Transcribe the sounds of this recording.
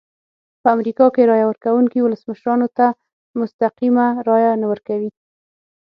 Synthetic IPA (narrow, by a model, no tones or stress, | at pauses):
pəamɾikɑkeɾɑjawəɾkawuŋkiwʊləsməʃɾɑnot̪a | mʊst̪aqimaɾɑjanawəɾkawi